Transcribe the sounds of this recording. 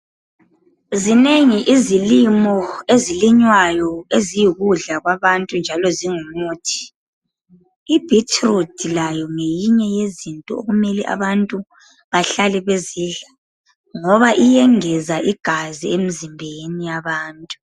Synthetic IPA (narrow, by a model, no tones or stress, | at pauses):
zineŋiʔizilimɔeziliɲwajɔezijiɣuɮaɣwaβantʼund͡ʒʱalɔziŋumuːtʰi̥ | ib̥ʱitʰrudilajɔŋejiɲɛjezintʼɔ̰o̰ɣumɛliʔa̰βantʼu | βaɬalɛβeziːɮa | ŋɔβaʔijɛŋɛzaʔiɡ̥ʱaziem̩zimbʱenijaβaːntʼu